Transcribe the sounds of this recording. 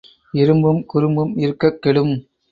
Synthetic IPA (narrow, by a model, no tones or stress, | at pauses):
ɪɾɯmbɯmkʊɾɯmbɯmɪɾɯkːɐkːɛɭɯm